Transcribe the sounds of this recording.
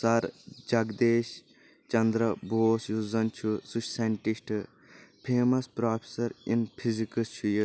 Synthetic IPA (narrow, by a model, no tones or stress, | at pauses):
sɐɾd͡ʒɐɡd̪eːʃ | t͡ʃɐnd̪ɾɐboːsjuzɐnt͡ʃʰusuʃseɳʈisʈʰ | pʰeːmɐspɾaːpʰesɐɾinpʰizikɐst͡ʃʰuji